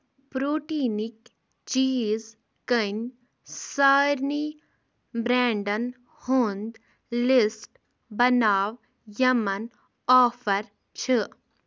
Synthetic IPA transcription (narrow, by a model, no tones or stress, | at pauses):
pɾoːʈiːnik | t͡ʃiːz | kənʲ | saːɾni | bɾɛːɳɖɐn | hond̪ | lisʈ | bɐnaːʋ | jɐmɐn | ɔːfɐɾ | t͡ʃʰi